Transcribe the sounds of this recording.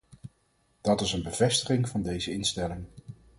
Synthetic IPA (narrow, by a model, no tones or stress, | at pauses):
d̥ɑtɪsənbəv̥ɛstə̥χɪŋv̥ɑndejzəɪnstɛlɪŋ